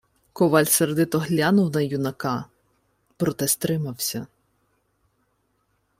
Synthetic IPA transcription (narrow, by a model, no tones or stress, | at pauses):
kɔʋɑlʲsɐrd̪ɪt̪ɔɦlʲanʊwnɐjunɐkɑ | pɾɔt̪ɛst̪ɾɪmɐwsʲɐ